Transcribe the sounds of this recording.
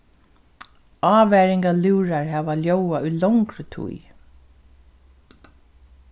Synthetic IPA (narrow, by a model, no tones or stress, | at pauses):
ɑːʋɛɹɪŋkaluːɾaɹɦæːʋaljowaulɔwŋkɾət̪ʰṵj